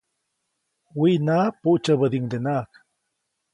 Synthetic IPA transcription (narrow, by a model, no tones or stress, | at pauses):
winapuʔt͡ʃaβəd̪iŋd̪enaːk